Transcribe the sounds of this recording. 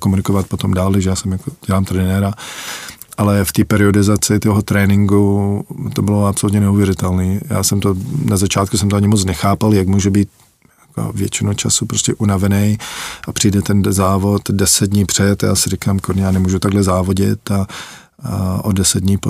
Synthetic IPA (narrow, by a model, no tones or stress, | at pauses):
komunɪkovat̪̚pot̪o̞mdaːldaʒɛjaːsɛmjakoɟ̥ɛlaːmt̪ɾɛnɛɾa | ʔalɛft̪iːpɛɾɪo̞dɪzat͡sɪt̪oɦot̪ɾɛːnɪŋɡut̪obɪloapsolut̪ɲɛnɛuvjɛɾɪt̪ɛlniːja̰ːsɛmt̪onazat͡ʃaːt̪̚kusɛmt̪oaɲɪmot͡snɛxaːpaljaɡmuːʒɛbiːt̪ | jjako̰vjɛt͡ʃɪnut͡ʃa̰supɾoscʲɛʔunavɛnɛjʔapr̥ijdɛt̪ɛnzaːvo̞t̪dɛsɛd̪̚dɲiːpr̝̥ɛt̪ja̰ːsɪɾɪkaːmkoɾɲɛjaːnɛmuːʒut̪aɡlɛzaːvoɟɪt̪a | ʔodɛsɛd̪̚dɲiːpo